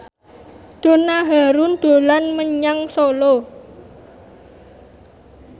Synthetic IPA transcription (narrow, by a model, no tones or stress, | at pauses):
d̪̥o̤naɦaɾund̪̥o̤lanməɲaŋsolo